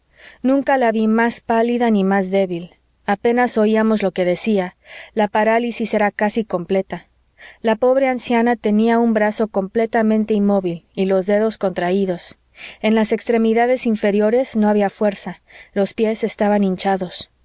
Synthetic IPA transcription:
nũŋkalaβimaspaliðanimazðe̞βil | ape̞naso̞iamo̞zlo̞ke̞ðe̞sialapaɾalisise̞ɾakasiko̞mple̞t̪a | lapo̞βɾe̞ansjanat̪e̞niaumbɾaso̞ko̞mple̞t̪amẽnt̪einmo̞βililo̞zðe̞ðo̞sko̞nt̪ɾaiðo̞s | e̞nlase̞kst̪ɾe̞miðaðe̞siɱfe̞ɾjo̞ɾe̞zno̞aβiafwe̞ɾsalo̞spje̞se̞st̪aβanĩnt͡ʃaðo̞s

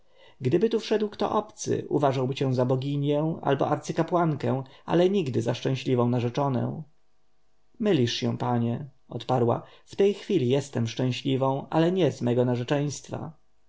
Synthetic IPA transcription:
ɡd̪ɘbɘt̪ufʂɛd̪wkt̪ɔ̰ʔɔpt̪sɘ̰ʔṵvaʐawbɘt͡ɕɛ̃w̃zabɔɡʲiɲjɛ̃w̃a̰lbɔ̰ʔaɾt̪sɘkapwaŋkɛ̃w̃a̰lɛɲiɡd̪ɘzaʂt͡ʂɛ̃w̃ɕlʲivɔ̃w̃naʐɛt͡ʂɔnɛ̰̃w̃ | mɘlʲiʂɕɛ̃w̃paɲɛ | ɔt̪paɾwa̰ft̪ɛjxfʲilʲijɛst̪ɛmʂt͡ʂɛ̃ɕlʲivɔ̃w̃a̰lɛɲɛzmɛɡɔnaʐɛt͡ʂɛj̃st̪fa̰

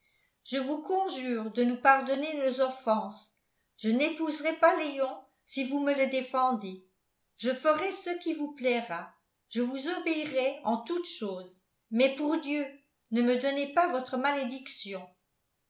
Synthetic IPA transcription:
ʒ̥əvukɔ̃ʒyːʁd̪ənupaʁd̪ɔnenozɔfɑ̃s | ʒ̥ənepuzʁɛpalejɔ̃ | sivumələd̪efɑ̃d̪e | ʒ̥əfəʁɛsəkʲivuplɛʁa | ʒ̥əvuzɔbeiʁɛɑ̃t̪ut̪ʃoːz | mɛpuʁd̪jø | nəməd̪ɔnepavɔt̪χəmaled̪iksjɔ̃

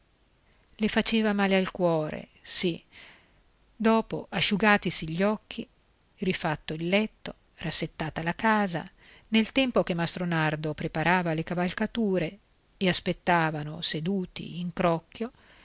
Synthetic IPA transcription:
lefat͡ʃeːvamaːlealkwɔːɾḛ | si | d̪ɔːpo̰ʔaʃːuɡaːt̪isiʎːɔkːi | rifat̪ːoilːɛt̪ːo | rasːet̪ːaːt̪alakaːza̰ | nelt̪ɛmpok̟emːast̪ɾonard̪opɾepaɾaːvalekavalkat̪uːɾe | easpet̪ːaːvanosed̪uːt̪ḭiŋkɾɔkːjo

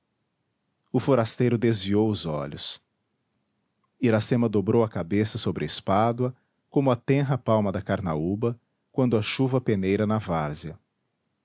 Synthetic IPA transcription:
ʊfoɾast̪ejɾʊd̪ezviowʊzɔ̰ʎʊs | iɾasẽmɐd̪obɾowɐkabesɐsobɾɪespad̪wɐ | kõmʊɐt̪ẽɦɐpawmɐd̪ɐkaɾna̰ubɐ | kwɐ̃nd̪ʊɐʃuvɐpenejɾɐnavaɾziɐ

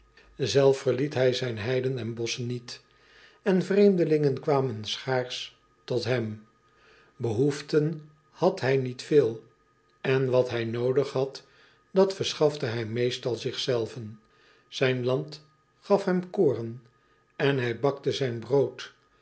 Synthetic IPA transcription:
zɛlˠfəɹlitɦɛjzɛjnɦɛjdənɛnbɔsənːit | ɛnvrejmdəlɪŋənkʋaːmənsχaːɹs | tɔtɦɛm | bəɦuftən | hɑtɦɛjnitfɪːlˠ | ɛnʋɑtɦɛjnowdəχɦɑt | d̥ɑtfəɹsχɑfdəɦɛjmejstɑlˠzɪχsɛlˠvən | z̥ɛjnlɑnt | χɑfɦɛmkoːrən | ɛnɦɛjbɑktəzɛjnbrowt

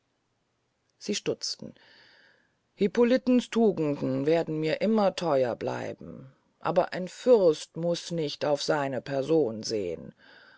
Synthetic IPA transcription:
z̥iːʃtʊt͡stn̩ | hipolɪtn̩stʰuːɡŋ̩dn̩veːɐdn̩miːɐʔɪmɐtʰɔʏɐ̰bla̰ɪbm̩ | ʔa̰ːbɐ̰ʔaɪnfʏʁstmʊsnɪçtaʊfz̥aɪnəpʰɛɐzoːnzḛːə̰n

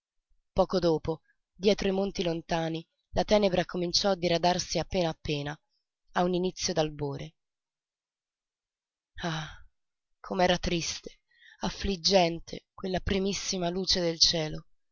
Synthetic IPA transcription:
pɔːkod̪oːpo | d̪jɛːt̪ɾoimont̪ilont̪aːni | lat̪ɛːnebɾakomint͡ʃɔad̪ːiɾad̪arsiapːeːnaːpːeːna | auninit̪sːjod̪alboːɾʔe | a | kʰomeɛːɾat̪ɾist̪e̥ | afːlid͡ʒːɛnt̪ʰḛkwelːapɾimisːimaluːt͡ʃed̪elt͡ʃɛːlo

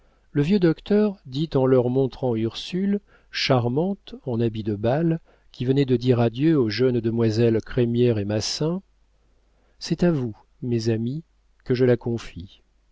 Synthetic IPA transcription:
ləvjød̪ɔkt̪œʁd̪it̪ɑ̃lœʁmɔ̃t̪χɑ̃yʁsyl | ʃaʁmɑ̃t̪ɑ̃nabid̪əbal | kʲʰivənɛd̪əd̪iʁad̪jøoʒœnd̪əmwazɛlkχɛmjɛʁemasɛ̃ | sɛt̪avu | mɛzami | kəʒəlakɔ̃fi

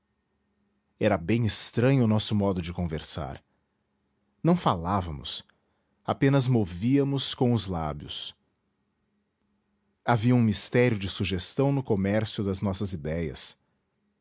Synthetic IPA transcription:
ɛɾɐbẽj̃ɪst̪ɾɐ̃ɲʊːnɔsʊmɔd̪ʊd͡ʒɪkõveɾsa̰ɾ | nɐ̃w̃falavɐmʊ̰s | apẽnɐzmoviɐmʊskõw̃ʊzlabjʊ̰s | aviɐũmist̪ɛɾjʊd͡ʒɪsuʒest̪ɐ̃w̃nʊkomɛɾsjʊd̪ɐznɔsɐzid̪ɛjɐ̰s

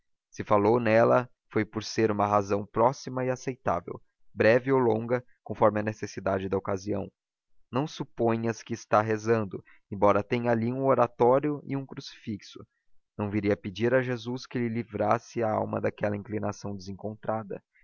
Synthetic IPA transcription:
sɪfalownɛlɐ | fojpoɾseɾũmɐɦazɐ̃w̃pɾɔsimɐɪasejt̪a̰vḛw | bɾɛvɪowlõŋɡɐ | kõfɔɾmɪɐnesesid̪ad͡ʒɪd̪ɐokaziɐ̰̃w̃ | nɐ̃w̃supõɲɐskɪːst̪aɦezɐ̃nd̪ʊ | ẽbɔɾɐt̪ẽɲɐaliũoɾat̪ɔɾjʊɪ̰ũkɾusi̥fiksʊ | nɐ̃w̃viɾiɐped͡ʒiɾɐʒezuskɪlɪlivɾasɪaawmɐ̰d̪akɛlɐĩŋklinasɐ̃w̃d͡ʒ̪ɪzẽŋkõnt̪ɾad̪ɐ̰

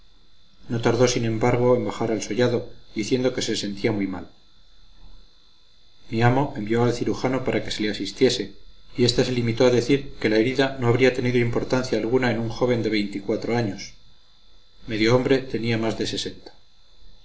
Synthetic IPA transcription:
no̞t̪aɾðo̞sinẽ̞mbaɾɣ̞o̞embaxaɾalso̞ʝaðo̞d̪iθje̞nd̪o̞ke̞sese̞nt̪iamujma̰l | miamo̞ʔe̞mbio̞alθiɾuxano̞paɾʔake̞se̞le̞asist̪je̞se̞ie̞st̪ase̞limit̪o̞aðeθiɾke̞lae̞ɾiðano̞aβɾiat̪e̞niðo̞impo̞ɾt̪anθjaːlɣ̞unae̞nuŋxo̞β̞e̞nd̪e̞β̞e̞jnt̪ikwat̪ɾo̞aɲo̞s | me̞ðjo̞ombɾe̞t̪e̞niamazðe̞se̞se̞nt̪ḁ

